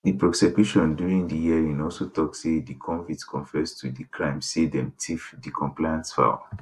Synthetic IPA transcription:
dipɹɔsɛbjuʃɔ̃ndjuɹĩŋdijɛɹĩnɔlsotɔksedikʰɔ̃nvitkʰɔ̃nfɛztʰudikʰɹãɪ̃msedɛ̃mtʰifdikʰɔ̃mplajãntsfa̰

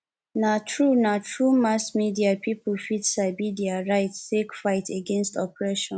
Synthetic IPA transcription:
natʰɹunatʰɹumasmidiapipul̩fitsaɪbidiaɹaɪttekfaɪtʰeɡẽnstɔpɹɛʃɔ̃n

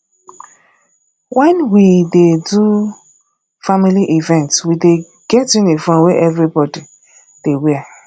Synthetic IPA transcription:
wɛ̃nwidedu | familiʔivɛ̃ntswide | ɡ̥ɛtĩnefɔ̃nweʔɛvɹibɔdi | d̥ewɛ

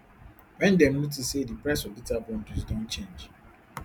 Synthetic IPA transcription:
wɛ̃ndɛm̩ut̬isedipɾasɔbitabɔ̃ndizdõnt͡ʃẽnd͡ʒ

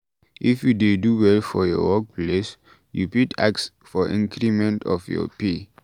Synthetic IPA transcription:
ʔifjudeduwɛlfɔjɔ̰wɔk̚pʰles | jṵputʰa̰ks | fɔʔḭ̃ŋkʰɹimɛ̃ntʰɔ̰fjɔ̰pe

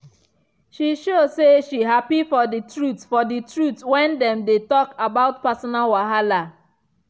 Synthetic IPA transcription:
ʃiʃoseʃiɦapifɔditɹutsfɔditɹutwɛ̃ndɛ̃mdetɔkabaʊt̚pasɔnalwaɦala

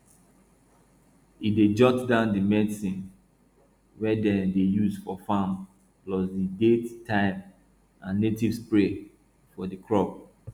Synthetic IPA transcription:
ided͡ʒɔtdãʊ̃ndimɛdsĩn | wɛdɛdejusfɔfam | plɔsdidettʰːãɪm | ãnːetivspɹe | fɔdikʰɹɔb

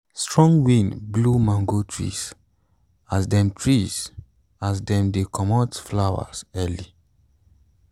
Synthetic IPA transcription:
stɹɔ̃ŋɡwĩnblumãŋɡotʰɹḭs | asdɛ̃mtʰɹiz | asdɛ̃mdekʰɔmɔtflawa̰sɛli

